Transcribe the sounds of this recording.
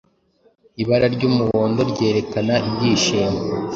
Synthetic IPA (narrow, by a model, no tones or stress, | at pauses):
iβaɾaɾɟuːmuwo̞ːndo̞ɾɟe̞ːɾe̞kanaibɟiːʃiːmɡo